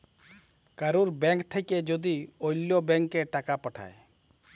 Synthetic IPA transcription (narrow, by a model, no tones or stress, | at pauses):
kaɾuɾbɛ̃ŋkt̪ʰɛkɛd͡ʒod̪iojlɔbɛŋkːɛʈakapaʈʰa̰j